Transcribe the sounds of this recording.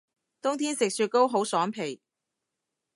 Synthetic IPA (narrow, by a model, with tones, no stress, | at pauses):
t̪ʊ˥ŋt̪ʰiː˥nsɪ˨k̚syː˧t̚ko˥wɦo˨˥wsɔː˨˥ŋpʰe˨˩j